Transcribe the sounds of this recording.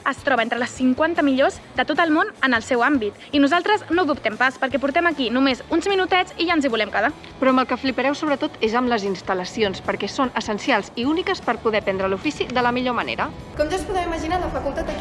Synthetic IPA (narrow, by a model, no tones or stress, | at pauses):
əst̪ɾɔβent̪ɾələsːiŋkwant̪əmiʎozd̪ət̪ot̪əlˠmonənəlˠsɛwambit̪ | inuzalˠt̪ɾəznoðupt̪ɛmpaspəɾkɛpuɾt̪ɛməkinumezunzminut̪ɛt͡siʒanziβulɛmkəða | pɾɔəməlˠkəflipəɾɛwsoβɾət̪ot̪ezəmləzinst̪ələsionspəɾkɛsonəsənsialˠziunikəspəɾpuðɛpɛnd̪ɾəlufisiðələmiʎomənḛɾə | kɔmʒaspuðɛwiməʒinaləfəkulˠt̪at̪ə